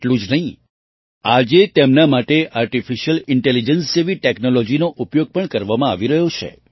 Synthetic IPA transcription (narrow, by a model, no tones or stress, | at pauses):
ʈlũd͡ʒnəɦĩ | ad͡ʒet̪emnamaʈeʔaɾʈifiʃəlɪɳʈelid͡ʒənseʋiʈɛknolɔd͡ʒinoʔupjoɡ̚pəɳkəɾʋamãaʋiɾəɦjot͡ʃʰḛ